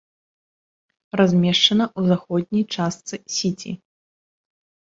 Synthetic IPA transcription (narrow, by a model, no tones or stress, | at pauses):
razʲmʲɛʂt͡ʂɐnɐʔuzaxɔd̪ʲnʲijt͡ʂast̪sɨsʲit͡sʲḭ